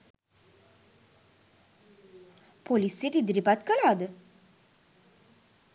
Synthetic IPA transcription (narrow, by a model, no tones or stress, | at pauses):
polisːiʈid̪ɾipat̪kəlad̪